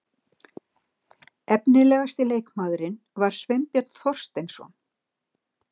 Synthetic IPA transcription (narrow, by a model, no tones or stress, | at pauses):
ɛpnɪlɛːɣast̪ɪleːjkmaːðɾɪn | vaɾ̥svejmpjœt̪nθɔr̥st̪ejnsɔ̰n